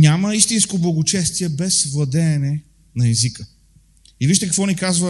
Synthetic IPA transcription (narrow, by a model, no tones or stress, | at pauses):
nʲaməist̪inskoblˠɐɡot͡ʃɛst̪iɛbɛsvlˠɐd̪ɛːnɛ | nɐɛzikə | iviʃt̪ɛkɐkvɔnikazvə